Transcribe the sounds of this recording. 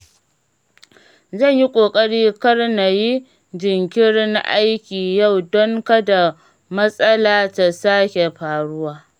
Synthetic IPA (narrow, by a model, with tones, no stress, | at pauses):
zɐ˦˨ɲji˦kʷʼoː˨kʼɐ˦ɽiː˦kɐ˦rna˨ji˦ | d͡ʒɪ˨ŋkʲɪ˦ɾna̰˦ʔa˦jkʲiː˨ja˦˨wdɔ˦ŋka˦da˨ | mɐ˦sʼɐ˦laː˦ta˨saː˦kʲe˨ɸaː˨ɽʊ˦waː˦